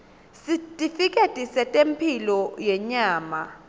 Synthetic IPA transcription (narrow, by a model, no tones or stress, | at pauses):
sitʼifikʼetʼisɛtʼempʰilɔjɛɲaːma